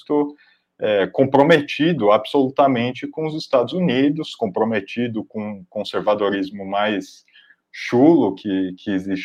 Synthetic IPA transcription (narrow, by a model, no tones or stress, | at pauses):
t̪ʊ | ɛkõpɾomet͡ʃid̪ʊabsolut̪ɐmẽnt͡ʃɪkõʊzɪst̪ad̪ʊzunid̪ʊskõpɾomet͡ʃid̪ʊkõkõseɾvad̪oɾizmʊmajs | ʃulʊkʰɪkʰɪezis